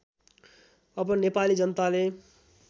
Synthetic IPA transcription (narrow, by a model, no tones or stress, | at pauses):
ʌbʌnepalid͡zʌnət̪ale